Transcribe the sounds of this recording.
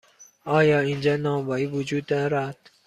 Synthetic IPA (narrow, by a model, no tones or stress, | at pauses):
ʔɒːjɒːind͡ʒɒːnɒːmbɒːiːvud͡ʒuːd̪ːɒːɾad̪̥